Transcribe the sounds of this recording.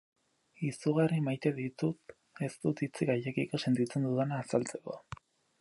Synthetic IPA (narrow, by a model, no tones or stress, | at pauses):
isuɣ̞arimajt̪e̞ðit̪ut̪ | e̞st̪ut̪it͡siɣaje̞kiko̞se̞nt̪it͡se̞nd̪uðenaːsalt͡se̞ko̞̰